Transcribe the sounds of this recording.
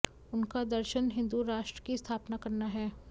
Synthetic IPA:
ʊnkad̪ɐɾʃənɦɪ̃nd̪uɾaːʃʈɾə̥kist̪ʰaːpnakɐɾnaɦɛː

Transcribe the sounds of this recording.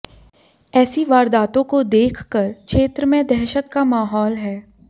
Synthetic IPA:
ɛːsiʋaːɾd̪aːt̪õkod̪eːkʰkəɾkʃeːt̪ɾəmẽd̪ʱɛɦːʃət̪kamaːɦɔːlɦɛː

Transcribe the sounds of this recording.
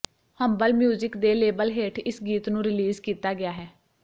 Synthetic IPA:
həmbəlmjuːzɪkd̪eːleːbəlɦeːʈʰɪsɡiːt̪nũːɾɪliːzkiːt̪aːɡɪaːɦɛː

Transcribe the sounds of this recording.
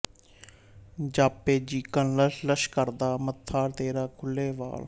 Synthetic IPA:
d͡ʒaːpːeːd͡ʒiːkənlələʃkəɾd̪aːmət̪ʰːaːɾt̪eːɾaːkʰʊlːeːʋa̰ːl

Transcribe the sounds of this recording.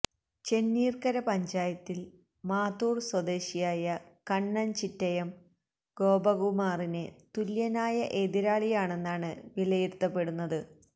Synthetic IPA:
t͡ɕe̞nːiːrkɐɾɐpɐɲd͡ʑaːjɐt̪ːil | maːt̪uːrswɐd̪e̞ːɕijaːjɐkɐɳːɐnt͡ɕitːɐjɐm | ɡo̞ːbɐɣumaːrine̞t̪uljɐnaːjɐʔe̞ːd̪iɾaːɭijaːɳe̞nːaːɳɨʋilɐjiɾt̪ːɐpːe̞ɽunːɐðɨ

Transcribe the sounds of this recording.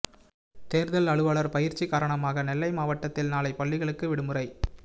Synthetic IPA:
t̪eːɾðɐlɐɭɯʋɐɭɐɾpɐjɪɾt͡ʃːikaːɾɐɳɐmaːɣɐnɛlːɐɪmaːʋɐʈːɐt̪ːɪlnaːlɐɪpɐɭːɪɣɐɭɯkːɯʋɪɽɯmɯrɐɪ

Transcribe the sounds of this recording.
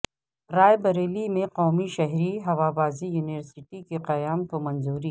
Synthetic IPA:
ɾaːjbɐɾeːlimẽqɔːmiʃɐɦɾiɦɐʋaːbaːzijuːnɪʋəɾsɪʈikeqɐjaːmk̪omɐ̃nzuːɾi

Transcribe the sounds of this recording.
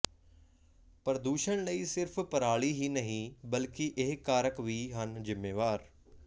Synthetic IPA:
pəɾəd̪uːʃəɳ̃ləiːsɪɾfʰpəɾaːɭiːɦiːnəɦĩːbəlkiʔeɦkaːɾəkʋiːɦənzɪmːeːʋaːɾ

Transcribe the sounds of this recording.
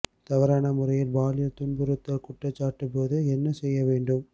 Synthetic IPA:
t̪ɐʋɐɾaːnɐmʊɾɐjɪlbaːlɪjɐt̪ʊɳbɯɾɯt̪ːɐkʊʈːɐt͡ʃːaːʈːɯp̬ːoːðɯɛnːɐsɛjːɐʋeːɳɖɯm

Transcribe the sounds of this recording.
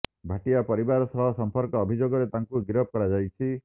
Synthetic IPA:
bʱaʈijapɔɾibaɾɔsɔɦɔsɔmpɔɾkɔːbʱid͡ʒoɡɔɾet̪aŋkuɡiɾɔp̚kɔɽad͡ʒajt͡ʃʰi

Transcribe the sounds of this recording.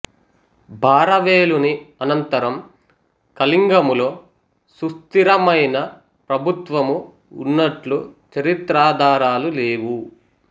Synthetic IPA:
bʱaːɾɐʋeːluniɐnɐnt̪ɐɾɐm | kɐliŋɡɐmulo̞ː | sust̪iɾɐmɐjnɐ | pɾɐbʱut̪ʋɐmu | ṵnːɐʈlut͡ʃɐɾit̪ɾaːd̪ʱaːɾaːluleːwu

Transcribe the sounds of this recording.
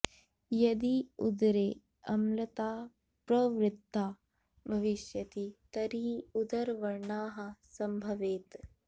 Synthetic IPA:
jɐd̪iud̪ɾeː | ɐmlɐt̪aː | pɾɐʋɾɪt̪ːaː | bʱɐʋiʃjɐt̪it̪ɐɾiːud̪ɐɾʋɐɾɳaːɦɐsɐmbʱɐʋeːt̪

